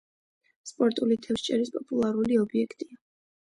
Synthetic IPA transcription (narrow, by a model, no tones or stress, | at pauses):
spʼɔɾt̪ʼulit̪ʰɛfst͡ʃʼɛɾispʼɔpʼulˠaɾuliɔbiɛkʰt̪ʼia